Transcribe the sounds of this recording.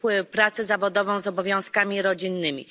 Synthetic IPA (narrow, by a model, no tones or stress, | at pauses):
wɘpɾat̪sɛzavɔd̪ɔvɔ̃w̃zɔbɔvʲjɔ̃skamʲiɾɔd͡ʑinːɘmʲḭ